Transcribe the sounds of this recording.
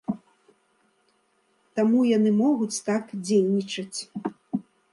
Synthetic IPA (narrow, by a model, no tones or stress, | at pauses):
t̪amujanɨmɔɣut͡sʲt̪akd͡zʲejnʲit͡ʂɐt͡sʲ